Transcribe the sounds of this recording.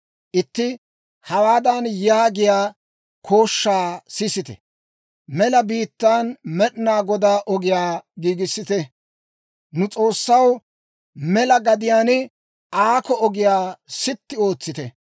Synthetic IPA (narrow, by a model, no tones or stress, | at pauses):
ʔɪt̪ːɪ | hɐwaːd̪ɐnjaːɡɪjaː | kʰo̞ːʃːaːsɪsɪt̪ɛ̰ | mɛlɐbiːt̪ːaːnmɛɗnaːɡɔd̪aːʔɔɡɪjaːɡiːɡɪsːɪt̪ɛ | nʊt͡sʼo̞ːsːɐw | mɛlɐɡɐd̪ɪjaːnɪ | aːkɔɔɡɪjaːsɪt̪ːɪo̞ːt͡sːɪt̪ɛ